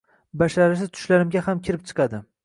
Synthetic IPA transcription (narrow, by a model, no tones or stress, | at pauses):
baʃaɾɪʃ̬ɪt̪ʰʊ̥ʃlaɾɪmɡʲahamkʲʰɪɾɪp̚t͡ʃʰɨ̥qʰɑd̪ɪ